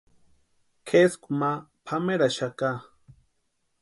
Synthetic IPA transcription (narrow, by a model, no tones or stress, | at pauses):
kʰeskumapʰameɾaʃaka